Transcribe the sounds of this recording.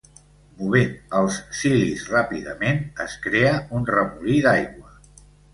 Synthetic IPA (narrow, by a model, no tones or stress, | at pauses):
muβ̞enəlˠssilisrapiðəmenəskɾeəunrəmuliðajɣwə